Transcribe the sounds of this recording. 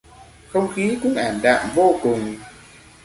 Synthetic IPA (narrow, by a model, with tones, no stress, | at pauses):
xə˧wŋ͡mxi˨˦kʊ̰˧˥ŋ͡mʔaː˧˩nɗa̰ː˧˨mvo˧kʊ˨˩ŋ͡m